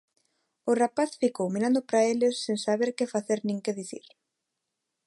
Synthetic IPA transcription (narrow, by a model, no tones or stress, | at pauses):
ʊrapaθfikowminãnd̪ʊpɾaelɪsːeŋsaβeɾkefaθeɾnĩŋkeðiθḭɾ